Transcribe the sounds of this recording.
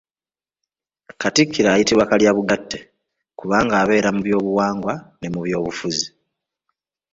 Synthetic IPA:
katikːiɾaːjitiβwakaljaːβuɡatːe | kuβaːŋɡaːβe̞ːɾamuβjo̞ːβuwaːŋɡwane̞muβjo̞ːβufuzi

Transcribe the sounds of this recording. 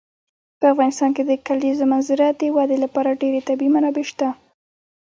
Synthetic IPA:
pəafɣɑnɪst̪ɑnked̪əkalizomanzɪɾaəwad̪elapɑɾaɖeɾet̪abimanɑbeʃt̪a

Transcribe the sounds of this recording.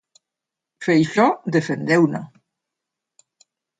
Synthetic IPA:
fejʃɔd̪efend̪ewna̰

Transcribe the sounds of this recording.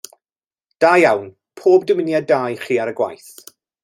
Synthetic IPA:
d̥aːjawn | pʰoːb̚dəmɪnjadaːjχiːaɾəɡwa̰jθ

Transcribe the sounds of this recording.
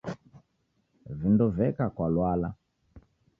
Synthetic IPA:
vindɔvɛkakwalwala

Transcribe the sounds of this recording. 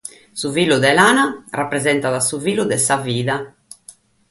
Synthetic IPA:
suviːluðɛlaːnarapːɾɛzɛnt̪aðasuviːlud̪ɛsaviːða

